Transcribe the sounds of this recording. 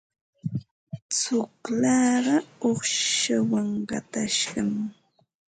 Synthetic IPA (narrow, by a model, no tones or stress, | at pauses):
t͡sʊklɑɢɑoχʃʃawaŋɢɑ̰t̪aʃɢɑm